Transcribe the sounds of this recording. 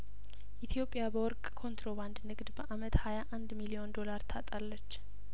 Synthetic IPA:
ʔit̪ʰijo̞pʼːjabəwɔɾkʼkʰo̞nt̪ʰɾo̞βand̪nɨɡd̪bəʔamət̪hajaʔand̪milio̞nd̪o̞laɾt̪ʰat̪ʼalːət͡ʃː

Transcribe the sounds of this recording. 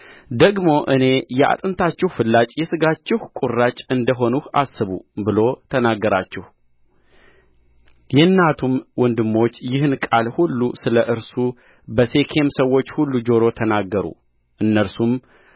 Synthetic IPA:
d̪əɡmo̞ʔɨne̞jɛʔa̰t̪ʼɨnt̪ʰat͡ʃːɪhfɨlːat͡ʃʼjɛsɨɡat͡ʃːɪhkʼurːat͡ʃʼɨnd̪əɦo̞nuhʔa̰sːɨβṵbɨlo̞t̪ʰənaɡːəɾat͡ʃːɪh | jɛɨnːat̪ʰumwɔnd̪ɨmːo̞t͡ʃːjɪhɨnkʼalhulːusɨləʔɨɾsu | bəse̞kʰe̞msəwːo̞t͡ʃːhulːud͡ʒo̞ɾo̞t̪ʰənaɡːəɾṵ | ʔɨnːəɾsum

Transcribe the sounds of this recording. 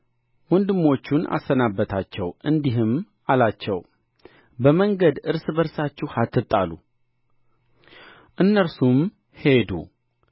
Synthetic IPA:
wond̪ɨmːo̞t͡ʃːuna̰sənabːət̪ʰat͡ʃːɛwʔɨnd̪iɦɨm | alat͡ʃːɛw | bəməŋɡəd̪ɨɾsbəɾsat͡ʃːɪhat̪ʰːɨt̪ʼːalṵ | ʔɨnːəɾsum | he̞d̪ṵ

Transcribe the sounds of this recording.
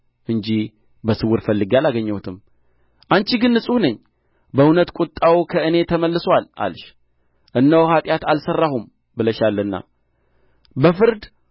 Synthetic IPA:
ʔɨnd͡ʒi | bəsɨwːɨɾfəlːɨɡalaɡəɲːəwut̪ʰɨm | ʔant͡ʃiɡɨnːɨsʼuhnəɲː | bəunət̪kʷʼut̪ʼːawkʰəɨne̞t̪ʰəməlːɨswalʔa̰lʃ | ʔɨnːəwhat̪ʼjat̪alsərːahum | bɨləʃalːənːa̰ | bəfɨɾd̪

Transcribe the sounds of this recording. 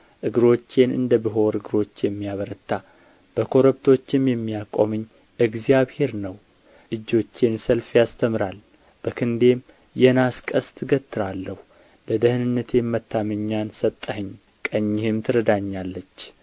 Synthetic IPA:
ʔɨɡɨɾo̞t͡ʃːe̞nɨ̰nd̪əbɨɦo̞ɾɨɡɨɾo̞t͡ʃːjɛmːijaβəɾət̪ːa | b̥əkʰo̞ɾəbt̪ʰo̞t͡ʃːɪmjɛmːijakʼomɨɲː | ʔɨɡzijaβhe̞ɾnəw | ʔɨd͡ʒo̞t͡ʃːensəlfjast̪ʰəmɨɾal | b̥əkʰɨnd̪e̞m | jɛnaskʼəst̪ʰɨɡət̪ʰːɨɾalːəhu | bəd̪əhɨnɨnːət̪ʰe̞mːət̪ːamɨɲːansət̪ʼːəhɨɲː | kʼəɲːɪhɪmt̪ʰɨɾəd̪aɲːalːət͡ʃː

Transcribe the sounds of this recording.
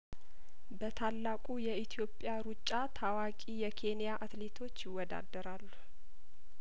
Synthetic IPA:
bət̪ʰalːakʼujɛit̪ʰijo̞pʼjaɾut͡ʃʼːat̪ʰawakʼijɛkʰe̞nijaʔat̪le̞t̪ʰo̞t͡ʃːjɪwːɔd̪a̰d̪ːəɾalːu̥

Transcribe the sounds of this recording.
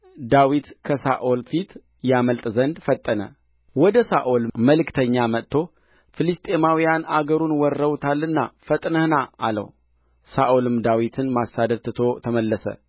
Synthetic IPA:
d̪awit̪kʰəsa̰ʔolfit̪ | jaməlt̪ʼzənd̪fət̪ʼːənə̰ | wɔd̪əsa̰ʔolməlɨkt̪ʰəɲːamət̪ʰːo̞ | fɨlɨst̪ʼe̞mawijanaɡəɾunwɔrːəwt̪ʰalːɨnːa̰fət̪ʼnəhnaalə̰w | saʔolɨmd̪awit̪ʰɨnmasːad̪əd̪̚t̪ːɨt̪ʰo̞t̪ʰəməlːəsə̰

